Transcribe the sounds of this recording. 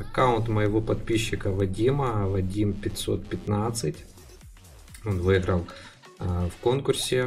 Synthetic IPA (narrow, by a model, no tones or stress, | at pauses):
ɐkaʊnt̪mɐjɪvopɐt̪̚pʲiɕːɪkɐvɐdʲimɐvɐdʲimpʲɪt̪ʲso̞̰t̪̚pʲɪt̪nat̪sɨtʲ | onvɨjɪɣɾɐlˠ | fko̞nkʊrsʲɪ